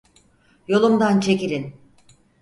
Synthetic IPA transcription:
jo̞lˠumd̪ant͡ʃʰe̞ciɾin

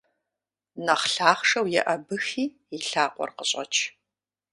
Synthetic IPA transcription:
nɐχɬaːχʂɐwjɛ̰ʔɐbɨxiː | jiɬaːqʷɔ̰rqəɕʼɐ̰t͡ʃʰ

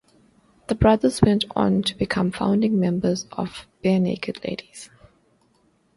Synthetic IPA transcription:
ð̥əbɹaðəzwɛ̃ntʰɔ̰̃ntʰubɪkʰʌ̃mfã̰ʊ̃ndɪ̃ŋmɛ̃mbəzɔ̰v̥b̥ɛnḛɪkʰədlḛɪdiz̥

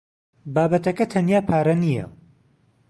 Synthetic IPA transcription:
baːbɐt̪ɐkɐt̪ʰɐnjaːpʰaːɾɐnijɐ̰

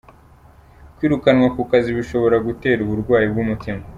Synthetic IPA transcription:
kwiːɾukanŋwakukaziβiʃo̞βo̞ɾaɡute̞ːɾuβuɾɡwaːjib̚ɡumutima

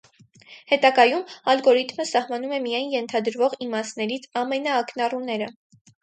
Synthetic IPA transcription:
hɛt̪ɑɡɑjumɑlɡɔɾit̪məsɑhmɑn̪umɛmijɑjnjɛnt̪ʰɑd̪əɾvɔʁimɑsnɛɾit͡sʰɑmɛnɑːknɑrunɛɾə

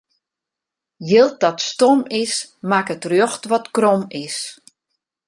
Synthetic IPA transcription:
jɪlˠt̚dɔtstomɪsmakətrjoxtʋɔtkrɔmɪs

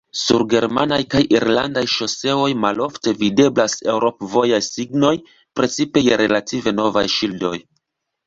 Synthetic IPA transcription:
sṵɾɡe̞ɾma̰najkajiɾla̰ndajʃo̞se̞o̞jmalo̞fte̞vide̞blase̞wɾo̞pvo̞jajsiɡno̞j | pɾe̞t͡sipe̞jeɾe̞lative̞no̞vajʃildo̞j

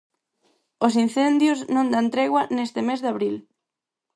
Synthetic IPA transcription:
os̬inθend̪jʊznõnd̪ant̪ɾɛɣwanest̪ɪmezðaβɾil

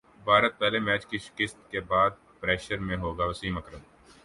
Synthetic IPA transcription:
baːɾət̪̚pɛːlemɛːt͡ʃkiʃɪ̥kɪst̪kebaːd̪̚ | pɾɛːʃəɾmẽɦoːɡaːʋɐsiːmɐkɾəd̪

